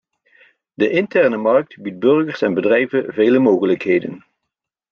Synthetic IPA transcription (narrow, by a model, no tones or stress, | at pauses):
dəʔɪntɛɹnəmɑɹk̚tbid̚bɵɹɣəɹsɛnbədrɛjvəvejləmoːɣələkɦejdə̰n